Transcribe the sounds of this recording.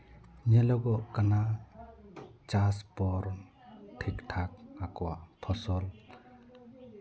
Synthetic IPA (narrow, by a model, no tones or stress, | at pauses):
ɲelɔɡɔkana | t͡ʃaspɔɾ | tʰiktʰak̚akɔwapʰɔsɔl